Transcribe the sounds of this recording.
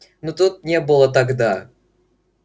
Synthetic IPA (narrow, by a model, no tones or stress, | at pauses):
nut̪ut̪̚nʲebɨlˠət̪aɡd̪a